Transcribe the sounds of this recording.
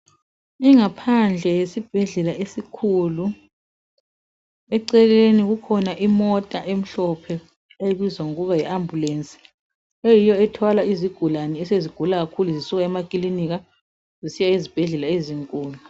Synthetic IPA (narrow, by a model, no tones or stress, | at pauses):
iŋapʰand͡ɮʱɛjesib̥ʱɛɮɛlaʔesikʰulu | ɛǀɛleniɣukʰɔnaʔimɔtʼaʔem̩ɬɔpʰɛ | eβizwaŋuɣuβajiʔambʱulent͡sʼi̥ | ejijɔɛtʰɔlaiziɡ̥ʱulanɛɛseziɡ̥ʱulaɣakʰuluzisuɣaɛmakʼiliniɣa | zisijaizib̥ʱɛɮɛlaeziŋkʼuːlu